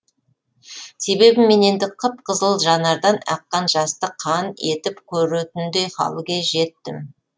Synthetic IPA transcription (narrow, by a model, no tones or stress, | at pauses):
se̞be̞bɪme̞ne̞nd̪ɪqʰəp̚qʰəzəlˠʒɑnɑɾd̪ɑnɑ̰qːɑnʒɑst̪əqʰɑne̞t̪ɪpkʲʰɵɾut̪ɪnd̪e̞jχɑ̰lˠɡʲeʒe̞t̪ːɪm